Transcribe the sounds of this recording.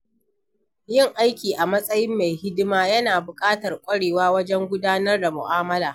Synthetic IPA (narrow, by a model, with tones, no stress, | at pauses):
jɪ˦˨ŋʔa˦jkʲiː˨ʔa˨mɐ˦sʼɐ˦jɪ˦mːa˨jhɪ˦dɪ˦maː˦jɐ˦naː˨bʊ˨kʼaː˦tɐ˨rkʷʼɐ˦ɽeː˨waː˦wɐ˦d͡ʒɛ˦ŋɡʷʊ˦daː˦nɐ˦rda˨mʊ̰˨ʔaː˦mɐ˦laː˨